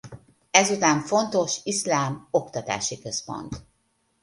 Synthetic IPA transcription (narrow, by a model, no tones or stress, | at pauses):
ɛzut̪aːɱfo̞nt̪o̞ʃiʃlaːmo̞kt̪ɒt̪a̰ːʃikøspo̞̰nt̪